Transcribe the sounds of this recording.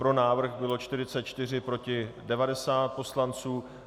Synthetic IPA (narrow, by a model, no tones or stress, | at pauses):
pɾo̞naːvr̩ɣbɪlo̞t͡ʃt̪ɪrɪt͡sɛt̪̚t͡ʃt̪ɪr̝ɪpɾo̞cɪdɛvadɛsaːt̪̚po̞slant͡suː